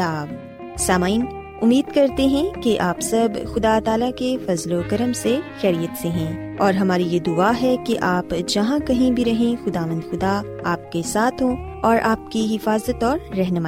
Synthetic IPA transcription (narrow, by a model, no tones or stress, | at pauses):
aːb | saːmaːin | ʊmːiːd̪kɐɾt̪eɦɛ̃keʔaːpsɐbxʊd̪at̪aːlakefɐzlokɐɾəmsexɛːɾijət̪seɦɛ̃ː | ɔːɾɦɐmaːɾijed̪ʊaɦɛkeʔaːpd͡ʒɐɦãkɐɦĩbʱiɾɐɦẽxʊd̪aːʋə̃nd̪xʊd̪a | aːp̚kesaːt̪ʰɦõ | ɔːɾʔaːp̚kiɦɪfaːzət̪ɔːɾːɛɦnəmaːi